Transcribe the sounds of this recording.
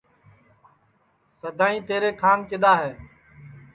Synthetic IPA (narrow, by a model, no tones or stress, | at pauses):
səd̪ʱaːĩːt̪eːɾeːkʰaːnkɪd̪aːɦeː